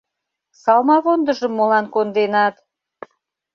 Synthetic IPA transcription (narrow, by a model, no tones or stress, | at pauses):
sɑlmɑβond̪ə̆ʒə̆mːolɑnkond̪enɑt̪